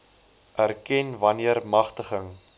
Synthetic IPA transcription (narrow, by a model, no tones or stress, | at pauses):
ʔærkɛnvɐniərmɐχtəχəŋ